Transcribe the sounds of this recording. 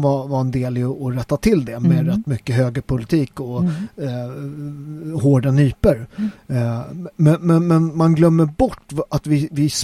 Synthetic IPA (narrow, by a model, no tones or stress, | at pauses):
vavaɾɛnd̪eːlɪɔɾɛt̪ːat̪ʰɪld̪ɛmɛɾɛt̪ːmʏkːəɦøːɡəɾpʰʊlɪt̪ʰiːkɔ | ɦoːɖanyːpəɾ | mɛnmɛnmɛnmanɡlœmːəɾbɔʈːat̪vɪvɪs